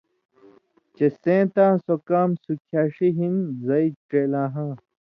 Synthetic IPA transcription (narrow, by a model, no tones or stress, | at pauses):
t͡ɕesẽːt̪ãːsokaːmsukʰaːʂiɦinzɐiʈeːlãːɦã